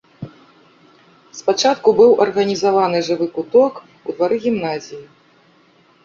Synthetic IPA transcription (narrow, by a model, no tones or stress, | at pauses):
spat͡ʂat̪kubɨwʔɐrɣɐnʲizavanɨʐɨvɨkut̪ɔk | ud̪vaɾɨɣʲimnazʲiji